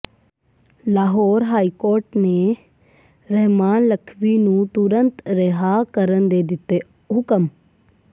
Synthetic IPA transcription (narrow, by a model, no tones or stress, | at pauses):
laːɦɔːɾɦaːiːkoːɾʈneː | ɾəɦmaːnləkʰʋiːnũːt̪ʊɾənt̪ɾeɦaːkəɾənd̪eːd̪ɪt̪ːeː | ɦʊkəm